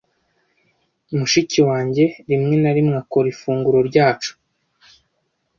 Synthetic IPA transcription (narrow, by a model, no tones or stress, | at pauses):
umuʃiciwaːɲɟe̞ɾimŋe̞naɾimŋako̞ɾifuːŋɡuɾoɾɟaːt͡ʃu̥